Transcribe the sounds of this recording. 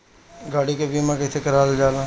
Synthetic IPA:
ɡaːɽikebiːmãkɐsekəɾaːld͡ʒaːlãː

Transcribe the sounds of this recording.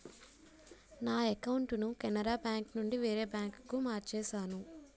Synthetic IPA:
naːɛkɐwuɳʈunukɛnɐɾaːbjaːŋknuɳɖiʋeːɾeːbjaːŋkkumaːɾt͡ʃɛːʃaːnu

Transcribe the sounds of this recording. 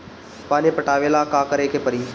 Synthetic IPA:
paːnipəʈaːʋelaːkaːkəɾekʰeːpəɾiː

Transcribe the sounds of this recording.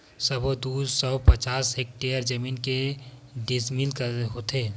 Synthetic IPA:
səbod̪uːsɔpət͡ʃaːsek̚ʈeəɾd͡ʒəminkeɖismilkəɦot̪ʰeː

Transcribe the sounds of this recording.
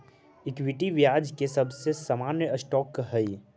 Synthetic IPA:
ɪkwɪʈiʋjaːd͡ʒkesɐbsesaːmaːnjəsʈɔːkɦəi

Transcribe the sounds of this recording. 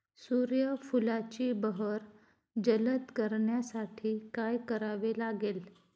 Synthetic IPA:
suɾjəfulat͡ɕiːbəɦəɾ | d͡ʑələt̪kəɾɳjasaʈʰiːkajkəɾaʋelaɡel

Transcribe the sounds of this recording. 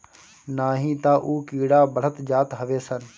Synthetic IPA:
naːɦĩːt̪aːʔuːkiːɽaːbəɽ̤ət̪d͡ʒaːt̪ɦəʋeːsən

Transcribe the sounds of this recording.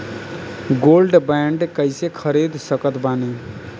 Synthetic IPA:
ɡolɖbɛɳɖkəɪsekʰəɾid̪səkət̪bane

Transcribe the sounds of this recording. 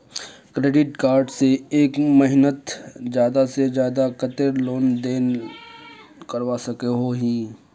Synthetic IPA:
kɾeːɖɪʈkaːɾɖseeːkməɦɪnət̪d͡ʒjaːd̪ased͡ʒjaːd̪akət̪eɾloːnd̪eːn | kəɾʋasɐkeɦoɦĩː

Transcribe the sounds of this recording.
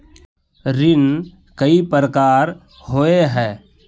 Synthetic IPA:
ɾɪn | kəipəɾəkaːɾ | ɦoeɦɛː

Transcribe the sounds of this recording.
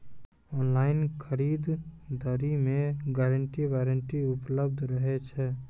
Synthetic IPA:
ɔːnlaːɪnkʰəɾiːd̪d̪əɾimẽɡɛːɾəɳʈiʋeːɾəɳʈiʊpləb̚d̪ʱɾəɦet͡ʃʰɛ

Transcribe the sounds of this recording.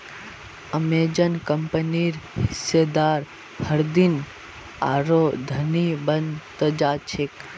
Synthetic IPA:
əmeːd͡ʒənkəmpəniːɾhɪsed̪aːɾ | həɾd̪in | a̰ːɾoːd̪ʱənibənd̪t̪əd͡ʒaːt͡ʃʰek

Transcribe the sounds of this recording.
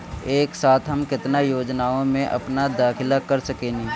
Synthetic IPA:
eːksaːt̪ʰɦəmkɪt̪najoːd͡ʒnaːõmẽʔɐ̰pnad̪aːkʰɪlakəɾsəkeːni

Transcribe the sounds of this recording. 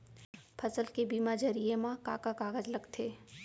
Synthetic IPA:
pʰɐsəlkebiːmad͡ʒɐɾiẽmãka̰ːkakaːɣəd͡ʒlɐɡt̪ʰeː

